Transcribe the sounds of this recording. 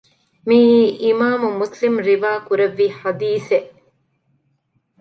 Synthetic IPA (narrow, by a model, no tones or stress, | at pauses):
miːʔimaːmumuslimɾiʋaːkuɾeʋːiːħad̪iːseʔ